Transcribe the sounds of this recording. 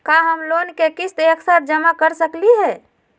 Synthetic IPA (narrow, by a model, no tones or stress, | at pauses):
kaɦəmlonkekit͡ʃʰt̪eeksat̪̚ʰd͡ʒəmakəɾsəkliɦɛ